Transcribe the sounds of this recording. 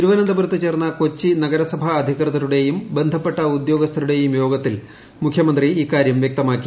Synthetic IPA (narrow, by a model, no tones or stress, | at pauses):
t̪iɾuʋɐnɐnd̪ɐbuɾɐt̪ːɨt͡ɕe̞ːrnːɐko̞t͡ɕːinɐɡɐɾɐsɐbʱɐːd̪ʱikrɨðɐɾuɽe̞jumbe̞nd̪ʱɐpːe̞ʈːɐud̪jo̞ːɡɐst̪ʰɐɾuɽe̞jumjo̞ːɡɐt̪ːil | mukʰjɐmɐnd̪riiːkːaːɾjɐmʋjɐk̚t̪ɐmaːkːi̥